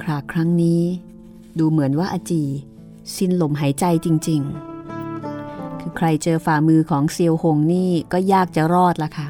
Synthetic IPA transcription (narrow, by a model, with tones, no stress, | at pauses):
kʰɾaː˨˩kʰɾa˦˥ŋniː˦˥ | duː˧mɯ˨˩˦ənwaː˥˩ʔa˧t͡ɕiː˧˩ | si˧nlo˩˦mɦaː˩˦jt͡ɕa˧jt͡ɕi˧ŋt͡ɕi˧ŋ | kʰɯː˧kʰɾa˧jt͡ɕɤː˧faː˨˩mɯː˧kʰɔː˩˦ŋsi˧əwho˧ŋniː˥˩kɔː˥˩jaː˥˩k̚t͡ɕa˨˩ɾɔː˥˩t̪̚la˦˥kʰa˥˩ʔ